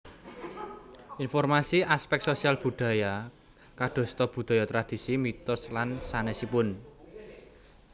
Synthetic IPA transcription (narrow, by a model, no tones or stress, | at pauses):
infɔrmasiaspɛk̪̚sosialb̥ṳɖ̪̥ä̤ja | kaɖ̪̥ɔ̤st̪ɔb̥ṳd̪̥a̤jɔt̪ɾad̪̥i̤simit̪ʊslansanɛsipʊn